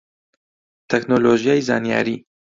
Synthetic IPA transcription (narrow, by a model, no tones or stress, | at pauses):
t̪ʰɛknoloʒjaːjza̰ːnija̰ːɾiː